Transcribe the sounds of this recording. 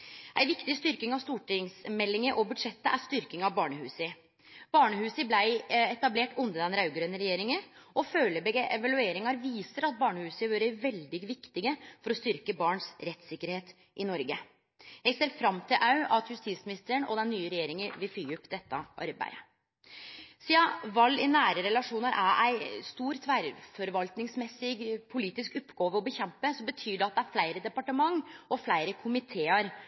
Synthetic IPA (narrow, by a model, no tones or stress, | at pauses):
ʔæɪʋɪkt̪ɪst̪ʏɾkɪŋɑʋst̪uːʈɪŋsmɛlːɪŋəʔɔbʉd̪ʂɛt̪ːəʔæɾst̪ʏɾkɪŋɑʋbɑːɳəhʉːsə | b̥ɑːɳəhʉːsəblæɪɛt̪ɑbleːʈʉnd̪əd̪ɛnɾɑʉɡɾøːnəɾɛjeːɾɪŋəʔɔføːləbɛɡʔɛʋɑlʉeːɾɪŋɑɾʋiːsəɾɑt̪̚bɑːɳəhʉːsəʋøːɾəʋɛld̪ɪɡʋɪkt̪ɪɡəfɔɾɔst̪ʏɾkəbɑːɳsɾɛt̪sɪkːəɾheːt̪ | ʔɪnɔɾɡə | jæɪseːɾfɾɑmːt̪ʰɪlʔɑʉʔɑt̪ʰjʉst̪iːt̪smɪnɪst̪əɾɳɔ̰d̪ɛnːyːəɾɛjeːɾɪŋəʋɪlfyːʉpːd̪ɛt̪ːəʔɑ̰ɾbæ̰ɪə | siːɑʋɑlːɪnæːɾəɾɛlɑʂuːnəɾʔæɾʔæɪst̪uːɾt̪ʰʋæːɾfɔɾʋɑlt̪nɪŋsmɛsːɪɡpʰʊliːt̪ɪskʊpːɡoːʋəɔbəçɛmpəsɔmbət̪ʰyːɖɛɑt̪̚d̪ɛæɾflæɪɾəd̪ɛpɑʈəmɑŋːɔflæɪɾəkʰʊmɪt̪ʰeːəɾ